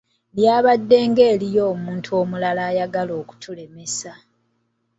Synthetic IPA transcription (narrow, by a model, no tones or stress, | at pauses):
ljaːβadːe̞ːŋɡeːlijo̞ːmuːntʰuo̞ːmulalaːjaɡalo̞ːku̥tʰule̞me̞sa